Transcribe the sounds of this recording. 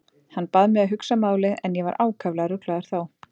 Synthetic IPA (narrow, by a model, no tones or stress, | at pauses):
hanːpaðmɛɣaɦʏksamaːwlɪɛnjɛva̰ɾʔaːwkʰavlaɣaɾʏk̪laðaɾ̥θaw